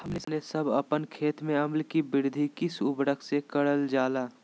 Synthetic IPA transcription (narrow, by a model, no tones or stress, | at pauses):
hɐmnenesɐbɐpənkʰeːt̪mẽɐmlkibɪɾd̪ʱikɪsʊbɾəkʰsekɐɽəld͡ʒaːlaː